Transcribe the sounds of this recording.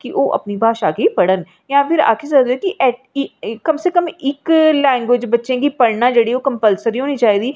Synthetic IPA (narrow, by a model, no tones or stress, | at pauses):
kiʔoːʔə̰pnibʱaːʃaːkepəɽən | jãːpʰɪɾa̰ːkʰesəd̪ekiʔɛ | kəmseːkəmɪklaːɪnɡeːd͡ʒbətːʃẽkipəɽnaːd͡ʒeːɽioːkəmpəlsəɾiɦoːnĩt͡ʃaːiːd̪iː